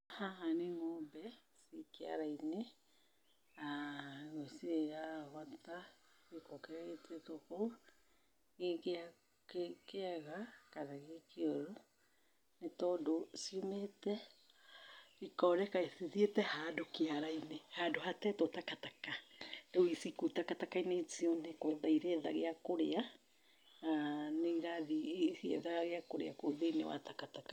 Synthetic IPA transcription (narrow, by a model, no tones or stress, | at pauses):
haɦaneŋɔbɛsikea̰ɾaine | aɣosiejaɣwata | wekɔkɛɾɛɣetɛtokou | ɣekea | kkeaɣakaðaɣekeoɾo | netɔdosiometɛ | ikɔɾɛkaeθiðietɛhaːdokeaɾainehadohatɛtotakatakadewisikutakatakainetiɔnekɛðaiɾeːðaɣeakoɾea | aneŋɡaðisiɛ̰ðaɣaɣeakoɾḛakoðeinḛwa̰takataka